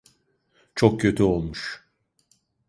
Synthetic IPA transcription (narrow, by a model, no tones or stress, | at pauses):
t͡ʃʰokcʰø̞t̪ʰyolˠmuʃ